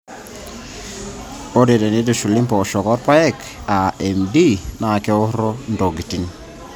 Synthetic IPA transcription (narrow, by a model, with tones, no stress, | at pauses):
o˦de˨de˨ni˦du˨ʃu˨li˦mpɔ˨ʃɔ˨kɔ˦ɾ̚pa˦ɛ˦k | a˨ɛ˨mdi˦na˨kɛ˦ʊ˦ɾɔ˦ndo˨ɡi˨ti˨n